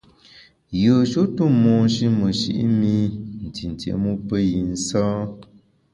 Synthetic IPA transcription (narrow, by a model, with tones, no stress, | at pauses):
jəː˨ʃo˦tu˦˨mɔ˨n˦ʃi˦mə˨ʃḭ˦ʔmi˦n̩˨ti˨n̩˨tḛ˨˦mu˦pə˦ji˨n̩˦sɔː˦